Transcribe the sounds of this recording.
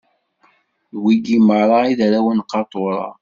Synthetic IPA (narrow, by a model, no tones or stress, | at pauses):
ðwiɡiməɾˤɑiðɾæwənqːɑt̪ˤoɾˤɑ̰